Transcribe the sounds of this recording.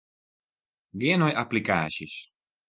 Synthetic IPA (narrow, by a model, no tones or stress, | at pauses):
ɡenɔjʔaplika̰ːʃiʃ